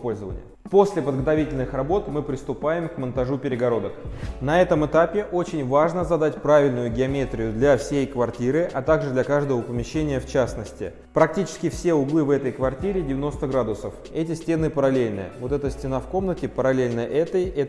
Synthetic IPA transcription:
po̞lʲzəvə̰nʲɪ̰jəpo̞sʲlʲɪpəd̪ɡət̪ɐvʲitʲɪlʲnɨxrɐbo̞t̪mɨpɾʲɪst̪ʊpajɪmkmənt̪ɐʐupʲɪɾʲɪɡɐɾo̞d̪əknɐɛt̪əmɨt̪apʲɪʔo̞t͡ɕɪnʲvaʐnəzɐd̪atʲpɾavʲɪlʲnʊjʊɡʲɪɐmʲet̪ɾʲɪjʊd̪lʲafsʲejkvɐrtʲiɾɨʔɐt̪aɡʐɨd̪lʲɐkaʐd̪əvəpəmʲɪɕːenʲɪjəft͡ɕasnəsʲtʲɪ̰ | pɾɐk̚tʲit͡ɕɪ̥skʲɪfsʲe̞ʊɡlˠɨvɛt̪əjkvɐrtʲiɾʲɪdʲɪvʲɪno̞st̪əɡɾad̪ʊsəf | ɛtʲɪsʲtʲe̞nɨpəɾɐlʲelʲnɨ̰jə̰vo̞t̪ɛt̪əsʲtʲɪnafko̞mnətʲɪpəɾɐlʲelʲnəʔɛt̪əjɛ

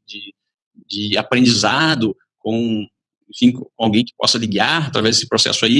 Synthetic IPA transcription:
d͡ʒɪ | d͡ʒɪapɾẽd͡ʒizad̪ʊ | kõ | ẽfĩkõkawɡẽj̃kɪ̥pɔ̰sɐliɡaɾat̪ɾavɛzd̪esɪpɾosɛ̰sʊai

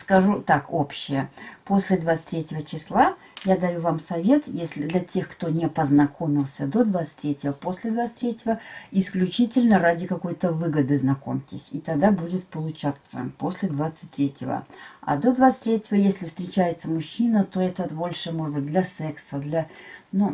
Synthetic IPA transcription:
skɐʐut̪ako̞pɕːɪjəpo̞sʲlʲɪd̪vat̪sɨ̥tʲɾʲetʲɪvət͡ɕɪslˠa | jad̪ɐjuvamsɐvʲe̞t̪jesʲlʲɪd̪lʲɐtʲe̞xkt̪o̞nʲɪpəznɐkʰo̞mʲɪlˠsʲəd̪o̞d̪vat̪sɨ̥tʲt̪ʲːɾʲetʲɪvəpo̞sʲlʲɪd̪vat̪sɨ̥t̪ʲɾʲetʲɪvəɪsklʲʉt͡ɕitʲɪlʲnəɾadʲɪkɐko̞jt̪əvɨɡəd̪ɨznɐko̞̰mʲtʲɪ̰sʲit̪ɐɡ̚d̪abudʲɪt̪̚pəlˠʊt͡ɕat̪sə̰po̞sʲlʲɪd̪vat̪sɨ̥t̚ʲt̪ɾʲetʲɪvə̰ɐ̰d̪o̞d̪vat̪sɨ̥t̪ʲɾʲetʲɪvəjesʲlʲɪfst̪ʲɾʲɪt͡ɕæjɪt̪səmʊɕːinət̪o̞ɛt̪əbo̞lʲʂɨmo̞ʐɨd̪bɨt̚ʲd̪lʲɐsɛksəd̪lʲanu

